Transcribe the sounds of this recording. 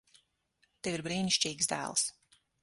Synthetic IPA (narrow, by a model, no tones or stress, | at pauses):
t̪ɛviɾbɾiːniʃʲt͡ʃiːɡsd̪æ̰ːlˠs